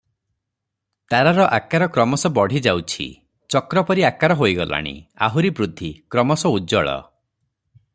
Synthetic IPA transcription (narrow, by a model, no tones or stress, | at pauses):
t̪aɾaɾɔʔakaɾɔkɾɔmɔsɔbɔɽ̤id͡ʒawt͡ʃʰḭ | t͡ʃɔkɾɔpɔɾiakaɾɔɦojɡɔla̰ɽ̃ḭa̰ɦuɾibɾud̪ʱːikɾɔmɔsɔud͡ʒɔɭɔ̰